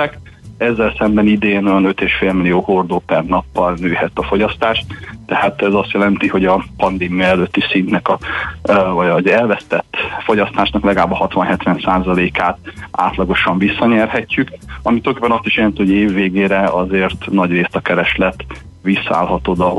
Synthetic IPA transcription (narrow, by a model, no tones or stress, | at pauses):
ɛk | ɛzːɛlsɛmbɛnid̪eːnojɒnøt̪eːʃfeːlmilijoːhord̪oːpɛrnɒpːɒlnøːhɛt̪ɒfo̞ɟɒst̪aːʃt̪t̪ːɛhaːt̪ɛzɒst̪jɛlɛnt̪iho̞ɟɒpɒnd̪eːmijɒɛløt̪ːisint̪nɛkɒ | vɒɟɒzɛlvɛst̪ɛt̪ːfo̞ɟɒst̪aːʃnɒklɛɡlaːbɒhɒt̪ʋɒnɦɛt̪ʋɛnsaːzɒleːkaːt̪a̰ːt̪lɒɡo̞ʃɒɱvisːɒɲɛrɦɛcːykɒmit̪øɛŋkepːɛnɒst̪iʃjɛlɛnt̪ihoɟeːvːeːɡeːɾɛɒzeːrt̪nɒɟreːst̪ɒkɛɾɛʃlɛt̪ | ʋisːɒa̰ːlɦɒt̪o̞d̪ɒ